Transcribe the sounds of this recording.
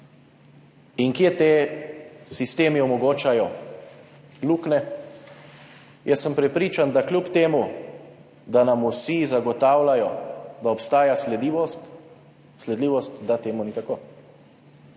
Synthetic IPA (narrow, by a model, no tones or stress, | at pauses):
iŋkjet̪eː | sist̪eːmiɔmɔɡoːt͡ʃajɔ | luːknɛ | jʔɛsːəmpɾɛpɾiːt͡ʃand̪aklʲjupt̪eːmu | d̪anamusizaɡɔt̪aːwlajɔd̪aɔpst̪aːjaslɛd̪iʋɔst̪ | slɛd̪liːʋɔst̪d̪at̪eːmunit̪akoː